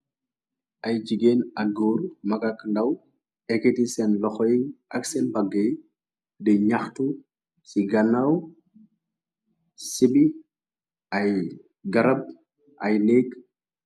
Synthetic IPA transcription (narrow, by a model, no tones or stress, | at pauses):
ʔɐjd͡ʒiɡeːnɐkɡoːɾmɐɡakːndɐw | ɛkɛtisɛnlɔxɔjiŋɐksɛnbɐɡːej | dɛɲɐxtu | siɡɐnɐw | sibi | ɐj | ɡɐɾɐb̚ | ʔɐjleːk